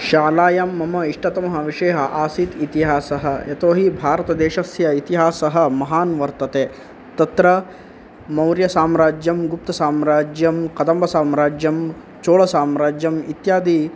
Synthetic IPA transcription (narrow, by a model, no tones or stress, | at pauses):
ʃaːlaːjɐmːɐmɐiʂʈɐt̪ɐmɐɦɐ̆ʋiʂeːɦɐʔaːsit̪it̪iɦaːsɐɦɐ̆et̪oːɦibʱaːɾɐt̪ɐd̪eːʃɐsjɐit̪iɦaːsɐɦɐ̆mɐɦaːnʋɐɾt̪ɐt̪eː | t̪ɐt̪ɾɐ | mɐwɾjɐsaːmɾaːd͡ʒjɐmɡup̚t̪ɐsaːmɾaːd͡ʒjɐmkɐd̪ɐmbʱɐsaːmɾaːd͡ʒjɐm | t͡ʃoːɭɐsaːmɾaːd͡ʒjɐmit̪jaːd̪i